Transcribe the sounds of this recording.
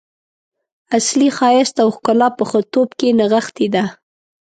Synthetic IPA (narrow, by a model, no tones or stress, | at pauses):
aslixɑjɪst̪awxkʊlɑpəxət̪obkenaɣaxt̪id̪a